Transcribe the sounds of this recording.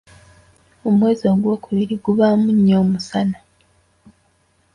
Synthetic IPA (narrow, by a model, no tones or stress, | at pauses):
o̞mwe̞ːzoːɡwo̞ːkuβiɾiɡuβaːmuɲːoːmusana